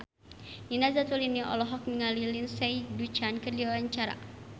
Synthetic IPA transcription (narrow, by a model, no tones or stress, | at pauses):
inazat̪uliniʔɔ̰lɔɦɔk̚miŋalilinsɛjdut͡ʃankərdiaaɲt͡ʃaɾa̰